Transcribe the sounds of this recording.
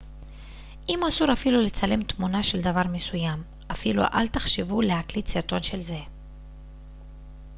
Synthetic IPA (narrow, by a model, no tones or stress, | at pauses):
ʔimasuʁafilule̞t͡sale̞mt̪munaʃe̞ld̪avaʁme̞sujam | ʔafilṵʔa̰lt̪aχʃevulehaklitsiʁt̪o̞nʃe̞lze̞